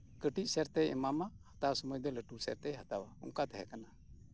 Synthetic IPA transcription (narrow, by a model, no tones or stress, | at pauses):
kəʈiʔ̚sɛɾt̪ɛjɛ̰mamahat̪asɔmɔjd̪ɔləʈusɛɾt̪ɛjɦat̪awaṵŋkat̪ɛɦɛ̰kana